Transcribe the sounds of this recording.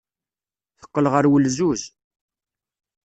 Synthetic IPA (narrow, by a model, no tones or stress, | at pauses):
θə̥qːəlʁəɾwəlzuz